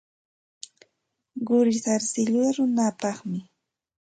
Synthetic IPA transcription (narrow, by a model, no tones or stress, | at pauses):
ɢʊɾɪsaɾsɪʎʊaɾʊnapɑχmɪ